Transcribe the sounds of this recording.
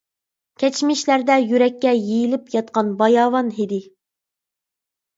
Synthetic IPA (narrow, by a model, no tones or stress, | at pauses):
kʲʰɛt͡ʃmɪʃlæɾd̪ɛjyɾɛkʲːɛjejilɪpjɑt̪̚qɑnbɑjɑːwɑnɦid̪ɪ